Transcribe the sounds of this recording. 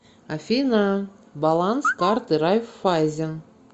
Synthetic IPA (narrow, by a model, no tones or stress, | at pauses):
afʲina | balˠanskart̪ɨɾajfːajzʲɪn